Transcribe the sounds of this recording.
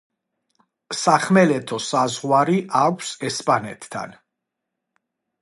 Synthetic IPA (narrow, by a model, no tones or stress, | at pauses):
saχmɛlɛt̪ʰɔsazʁwaɾiʔakʷʰsɛspʼanɛ̰t̪ʰːa̰n